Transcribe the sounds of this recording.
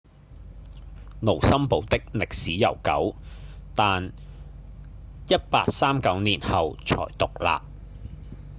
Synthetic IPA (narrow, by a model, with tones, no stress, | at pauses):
no˨˩wsɐ˥mpo˨˧wt̪ɪ˥k̚lɪ˨k̚siː˨˥jɐ˨˩wkɐ̰˨˥wt̪aː˨n | jɐ˥t̚paː˧t̚saː˥mkɐ˨˥wniː˨˩nhɐ˨wt͡sʰɔ̰ː˨˩jt̪ʊ˨k̚la̰ː˨p̚